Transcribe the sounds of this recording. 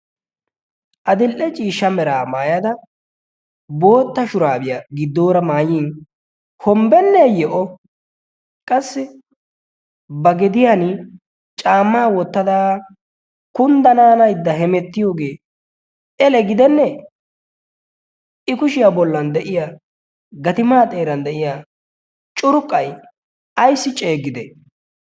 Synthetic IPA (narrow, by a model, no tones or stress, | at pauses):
ʔɐd̪ɪlʔɛt͡ʃʼiːʃːɐmɛɾa̰ːmaːjɐd̪ɐ | bo̞ːt̪ːɐʃʊɾaːbɪjaɡɪd̪ːo̞ːɾɐmaːjiːn | hɔmbɛnːɛjɛʔɔ | kʼɐsːɪ | bɐɡɪd̪ɪjanɪ | t͡ʃʼaːmːaːwɔt̪ːɐd̪aː | kʊnd̪ɐnaːnɐjd̪ːɐɦɛmɛt̪ːɪjo̞ːɡe̞ː | ʔɛlɛɡɪd̪ɛnːɛ | ɪkʊʃɪjabɔlːɐnd̪ɛʔɪjaː | ɡɐt̪ɪmaːt̪ʼe̞ːɾɐnd̪ɛʔɪjaː | t͡ʃʼʊɾʊkʼːɐj | ɐjsːɪt͡ʃʼe̞ːɡːɪd̪ɛ